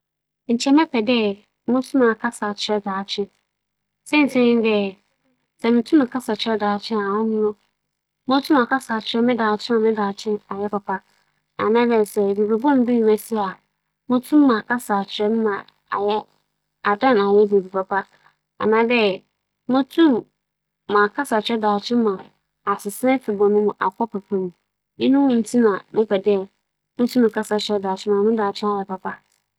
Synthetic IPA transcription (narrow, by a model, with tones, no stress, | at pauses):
n̩˨t͡ɕʰɛ˦mɛ̃˦pʰɛ˨dɛ˦ | mʊ̃˦tʰũ˦mã˨kʰa˦sa˨t͡ɕʰɪ˨ɾɛ˦daː˨t͡ɕʰɪ̃˦n | sɛ˦n̩˨sʰɛ̃˦ɲɪ̃˦n˦dɛ˦˨ | sɛ˨mʊ̃˨tʰũ˦mã˨kʰa˦sa˨t͡ɕʰɪ˨˦ɾɛ˦daː˨t͡ɕʰɪ̃˦na˨wʊ̃˦nʊ̃˦nʊ̃˦ | mʊ̃˦tʰũ˦m˦a˨kʰa˦sa˨t͡ɕʰɪ˨ɾɛ˦mɪ̃˦daː˨t͡ɕʰɪ̃˦nã˨mɪ̃˦daː˨t͡ɕʰɪ̃˦na˨jɛ˦pa˨pʰa˦ | a̰˨nãː˦dɛ˦˨sɛ˨be˨be˨bɔ̃˦n˦bi˦ɲĩ˨mæ˨si˦˨a˨ | mʊ̃˦tʰũ˦mː˦ã˨kʰa˦sa˨t͡ɕʰɪ˨ɾɛ˦n̩˦mã˨ | a˨jɛ˦ | a˨dã˦na˨jɛ˦be˨bi˨pʰa˨pʰa˦ | a̰˨nãː˦dɛ˦ | mʊ̃˦tʰũ˦mː | ã˨kʰa˦sa˨t͡ɕʰɪ˨ɾɛ˦daː˨t͡ɕʰɪ̃˦mã˨ | a˨sɪ˨sɛ˦fʰi˨bɔ̃˨nʊ̃˦mʊ̃˨ʔa˨kʰɔ˦pʰɛ˨pʰã˦mĩ˨ | mɪ̃˦nʊ̃˦wʊ̃˦˨n̩˨˦tʰi˦nã˨mɪ̃˦pɛ˨dɪ˦ɛ˨ | mʊ̃˦tʰũ˦mɪ̃˨kʰa˦sa˨t͡ɕʰɪ˨ɾɛ˦da˨t͡ɕʰɪ̃˦mã˨mɪ̃˦daː˨t͡ɕʰɪ̃˦a˨jɛ˦pa˨pʰa˦